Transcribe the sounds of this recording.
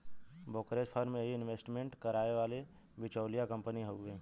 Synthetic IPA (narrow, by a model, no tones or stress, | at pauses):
bokɾespʰəɾmẽɦiɪnʋeːsʈmẽɳʈkəɾaːeʋaːle | bɪt͡ʃəːlijakə̃mpəniɦoẽː